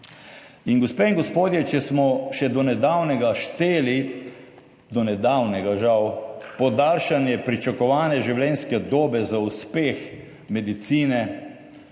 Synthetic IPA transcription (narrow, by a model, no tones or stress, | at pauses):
inɡɔspeːiŋɡɔspoːd̪jɛt͡ʃɛsmɔʃɛd̪ɔnɛd̪awnɛɡaʃt̪eːli | d̪ɔnɛd̪awnɛɡaʒawpɔd̪aːlʃanjɛpɾit͡ʃakɔʋaːnɛʒiwlɛnskɛd̪oːbɛzauspeːx | mɛd̪it̪siːnɛ